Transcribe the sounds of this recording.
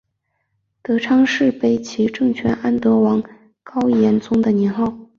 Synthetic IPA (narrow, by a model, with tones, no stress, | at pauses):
t̪ɤ˧˥ʈ͡ʂʰɑ˥ŋʂɻ̩˥˧pe˥˩ɪt͡ɕʰi˧˥ʈ͡ʂɤ˥˩ŋt͡ɕʰɥɛ˧˥nʔa˥˩nt̪ɤ˧˥wɑ˧˥ŋ | kɑ˥ʊjɛ˧˥nt͡sʊ˥ŋd̪ə˨njɛ˧˥nxɑ˥˩ʊ